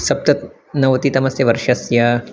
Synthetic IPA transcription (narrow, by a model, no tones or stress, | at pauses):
sɐp̚t̪ɐt̪̚ | nɐʋɐt̪it̪ɐmɐsjɐʋɐɾʃɐsjɐ